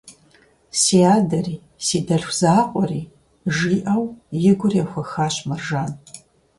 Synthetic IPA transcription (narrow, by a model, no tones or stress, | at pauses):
siːaːdɐriː | siːdɐɬʷz̥aːqʷʼɔriː | ʒiːʔɐwjɪɡʷʊrjɛxʷɐxaːɕmɐrʒaːn